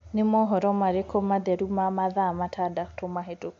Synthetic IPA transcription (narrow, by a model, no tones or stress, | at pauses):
nemɔɦɔɾɔmaɾekʰomaðɛɾumamaðamatʰadaktomaɦeto